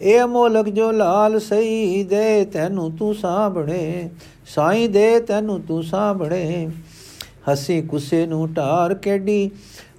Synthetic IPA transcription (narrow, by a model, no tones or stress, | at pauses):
eːmoːləkd͡ʒoːlaːlsəiːd̪eːt̪ɛːnũːt̪ũːsãːbəɳeː | saːĩːd̪eːt̪ɛːnũːt̪ũːsãːbəɳeː | həsĩːkʊseːnũːʈaːɾkeːɖiː